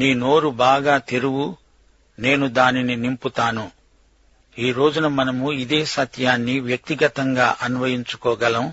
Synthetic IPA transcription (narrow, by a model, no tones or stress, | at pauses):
niːno̞ːɾubaːɡaːt̪eɾuɡu | ne̞ːnud̪aːnininimput̪aːnu | iːɾo̞ːd͡ʒunɐmɐnɐmuid̪eːsɐt̪ʰjaːnːiʋjɐk̚t̪iɡɐt̪ɐŋɡaːʔɐnuʋɐjiɲt͡ʃu̥kɔːɡɐlɐm